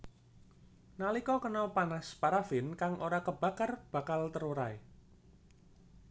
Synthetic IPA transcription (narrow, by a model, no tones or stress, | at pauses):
nalikɔkənɔpanaspaɾafɪnkaŋʔoɾakəb̥a̤kərb̥ä̤kalt̪əɾuɾae